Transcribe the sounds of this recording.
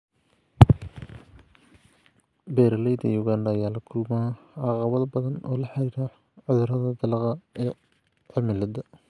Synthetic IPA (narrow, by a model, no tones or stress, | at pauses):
bɛːɾɐlɛjd̪ɐjuɣaːnd̪ɐːjaːlɐkʰʊlmaː | ʕɑqɑβɐðɐbɐðɐnɔ̰ːlɐħɑɾiːɾa | ʕʊðʊɾɐðɐd̪ɐlɑqɑɛː | ʕɪmɪlɐd̪ɐ